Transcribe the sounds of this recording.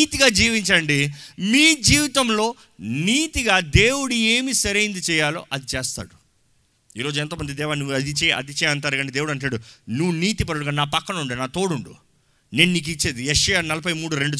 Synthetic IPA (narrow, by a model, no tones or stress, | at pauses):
t̪iɡaːd͡ʒiːʋiɲt͡ʃɐɳɖimiːd͡ʒiːʋit̪ɐmlo̞ː | niːt̪iɡaːd̪eːwuɽueːmisɐɾɐjnd̪it͡ʃɛːjaːlo̰ːʔɐd̪it͡ʃɛːst̪a̰ːɽu | iːɾo̞ːd͡ʒuɛnt̪oːmɐnd̪id̪ɛːʋaːnːuːɐd̪it͡ʃɛɐ̰d̪it͡ʃɛːɐnt̪aːɾɐɡɐɳɖid̪eːwuɽɐɳʈːaːɽunuʋːuniːt̪ip̬ɐɽɐɽuɡaːnaːpɐkːɐnɐuɳɖinaːt̪o̞ːɽuɳɖṵ | neːnuniːk̬it͡ʃːe̞ːd̪ijɛʂɐjaːnɐlɐpɐjmuːɽuɾe̞ɳɖu